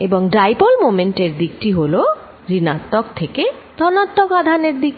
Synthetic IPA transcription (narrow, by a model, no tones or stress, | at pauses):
eboŋɖɾajpolmomeɳʈeɾd̪ik̚ʈiɦolo | ɾinat̪ːɔk̚t̪ʰeket̪ɔnat̪ːɔkad̪ʱaneɾd̪ik̚